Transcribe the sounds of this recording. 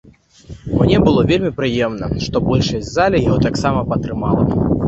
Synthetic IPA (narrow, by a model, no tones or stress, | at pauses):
mnʲɛbɨlˠɔvʲelʲmʲipɾɨjɛmnɐ̰ʂt̪ɔbɔlʲʂɐsʲzalʲijaɦɣɔt̪aksamɐpɐt̪ɾɨma̰lˠɐ̰